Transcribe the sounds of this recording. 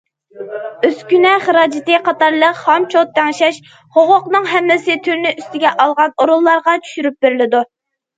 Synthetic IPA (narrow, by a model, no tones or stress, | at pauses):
øskʲynɛχəɾɑːd͡ʒɪt̪ɨqʰɑt̪ɑɾlˠəqhɑmt͡ʃʰot̪ʰːɛŋʃɛʃ | χoʁʊqnɨŋɦɛmːɪsɪt̪ʰyɾnɪʔyst̪ɪɡʲɛʔɑlˠʁɑnoɾulˠːɑɾʁɑt͡ʃʰy̥ʃyɾyp̚beɾɪlɪd̪u